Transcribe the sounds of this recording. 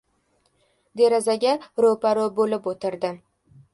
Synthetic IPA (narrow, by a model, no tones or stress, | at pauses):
d̪e̞ɾazaɡʲaɾopaɾobolɪpot̪ʰɪɾd̪ɪ